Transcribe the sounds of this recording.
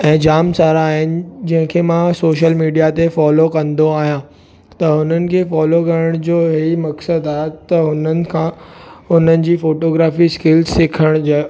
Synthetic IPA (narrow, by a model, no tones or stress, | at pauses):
ɛ̃ːd͡ʑaːmsaːɾaːɦɪnɪ̆d͡ʑɐ̃ɦɪ̃kʰemãsoːʃ̬əlmiːɖijat̪efɔːlokɐ̃nd̪oaːɦijã | t̪ɐʊn̤ənɪ̆kʰefɔːlokɐɾəɽ̃d͡ʑoːɦeimɐksəd̪aːɦet̪ɐʊn̤ənɪ̆kʰãʊnənɪ̆d͡ʑiːfoːʈoːɡɾaːfiskɪlzsɪkʰəɽ̃d͡ʑa